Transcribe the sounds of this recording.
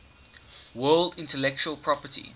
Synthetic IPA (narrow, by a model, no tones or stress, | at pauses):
wɜːldɪ̃ntəlɛk̚t͡ʃuəlˠpʰɹɔpətḭ